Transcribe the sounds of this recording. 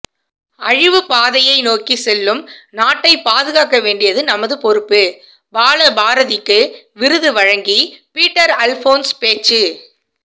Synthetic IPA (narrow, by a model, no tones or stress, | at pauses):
ɐɻɪʋɯpaːðɐjɐɪnoːkisɛlːɯmnaːʈːɐɪpaːðɯɣaːkɐʋeːɳɖɪjɐðɯnɐmɐðɯpɔɾɯpːɯ | baːlɐbaːɾɐðɪkːɯ | ʋɪɾɯðɯʋɐɻɐŋɡipiːʈːɐɾɐlfoːnspeːt͡ʃːɯ